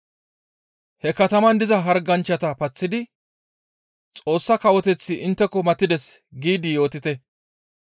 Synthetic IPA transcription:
hɛkɐt̪ɐmɐnd̪ɪzɐɦɐɾɡɐnt͡ʃːɐt̪ɐpɐt͡sːɪd̪ɪ | t͡sʼo̞ːsːɐkɐwɔt̪ɛt͡sːɪʔɪnt̪ːɛkɔmɐt̪ːɪd̪ɛsɡiːd̪ɪjo̞ːt̪ɪt̪ɛ

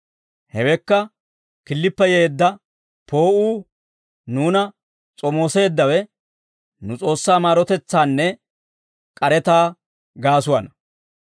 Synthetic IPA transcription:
hɛwɛkːɐ | kɪlːɪpːɛjeːd̪ːɐ | po̞ːʔuː | nuːnɐ | t͡sʼɔmo̞ːse̞ːd̪ːɐwɛ | nʊt͡sʼo̞ːsːaːmaːɾɔt̪ɛt͡sːaːnːɛ | kʼɐɾɛt̪aː | ɡaːs̬ʊwɐnɐ

